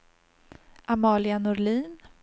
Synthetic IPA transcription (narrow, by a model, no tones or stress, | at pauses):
ʔamɑːlɪanʊɾɭiːn